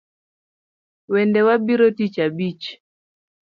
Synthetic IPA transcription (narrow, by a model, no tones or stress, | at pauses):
wɛndɛwabiɾotit͡ʃabit͡ʃ